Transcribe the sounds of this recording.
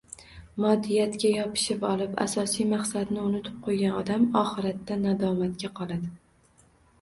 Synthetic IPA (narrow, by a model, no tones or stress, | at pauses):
mɒd̪ːɪjat̪kʲajɒpʰɪ̥ʃɪpɒlˠɪpa̰sɒsijmaχsad̪nɪʊnɪt̪ʰɪp̚qʰojɡʲanɒd̪amɒχɨɾat̪ːanad̪ɒmat̪̚kʲaqʰɒlˠad̪ɪ